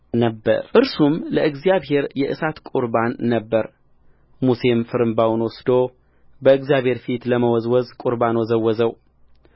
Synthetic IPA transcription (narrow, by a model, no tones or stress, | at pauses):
nəbːə̰ɾʔɨɾsumləʔɨɡzijaβɦe̞ɾjɛʔɨsat̪kʼuɾbanːəbːəɾ | muse̞mfɨɾɨmbawnwɔsd̪o | bəɨɡzjaβhe̞ɾfit̪ləməwɔzwɔzkʼuɾbanwɔzəwːɔzəw